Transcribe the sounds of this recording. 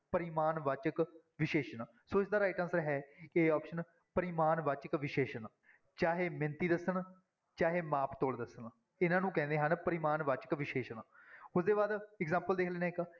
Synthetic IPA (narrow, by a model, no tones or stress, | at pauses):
pəɾɪmaːnʋat͡ʃək | ʋɪʃeːʃən | soːɪsd̪aːɾaːɪʈənsəɾɦɛːeːaːpʃən | pəɾɪmaːnʋat͡ʃəkʋɪʃeːʃən | t͡ʃaːɦeːmɪ̃nt̪iːd̪əsən | t͡ʃaːɦeːmaːpt̪oːld̪əsən | ɪnãːnũːkɛ̃ːnd̪eːɦənpəɾɪmaːnʋaːt͡ʃə̥kʋɪʃeːʃənʊsd̪eːbaːd̪ɪkzãːmpəld̪eːkʰleːnaːɪk